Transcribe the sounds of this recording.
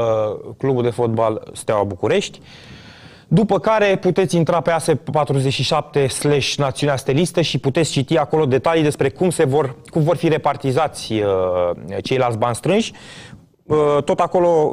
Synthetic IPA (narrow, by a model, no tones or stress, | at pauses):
klubuld̪e̞fo̞t̪̚balst̪awabukuɾe̞ʃt̪ʲ | d̪upəkaɾe̞put̪e̞t̪sʲint̪ɾape̞asepat̪ɾuzet͡ʃʃiʃap̚t̪e̞sleʃnat̪siuneast̪e̞list̪əʃiput̪et̪sʲt͡ʃit̪iako̞lo̞d̪e̞t̪alijd̪e̞spɾe̞kumsevorkumvo̞rfiɾe̞part̪izat̪sʲə | t͡ʃe̞jlalt̪sʲbanst̪ɾɨnʃʲ | ət̪o̞t̪ako̞lo̞